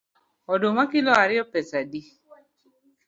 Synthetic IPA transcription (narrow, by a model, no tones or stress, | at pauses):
ɔdomakɪlɔaɾɪɔpɛsadi